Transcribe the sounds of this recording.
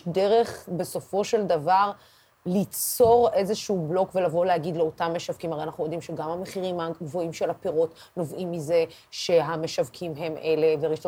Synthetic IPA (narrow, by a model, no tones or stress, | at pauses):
deʁe̞χbe̞so̞fo̞ʃe̞ldavaʁ | lit͡so̞ʁe̞zeʃuːblo̞kve̞lavo̞leaɡid̪leotamːeʃavkimaʁejanaχnujod̪imʃeɡamhameχiʁimaɡvo̞imʃe̞lhapeʁo̞t | no̞vʔimːize̞ | ʃe̞ɦameʃavkʰimɦe̞mʔe̞le̞veʁiʃo